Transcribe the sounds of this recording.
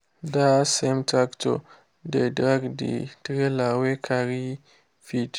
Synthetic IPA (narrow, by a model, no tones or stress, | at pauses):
dasemtakto̰ | dedɾaɡdḭtɾelawekʰaɾi | fit